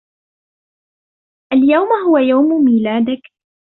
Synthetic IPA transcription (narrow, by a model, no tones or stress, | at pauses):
ʔaljawmhʊwajawmmiːlaːd̪ɪk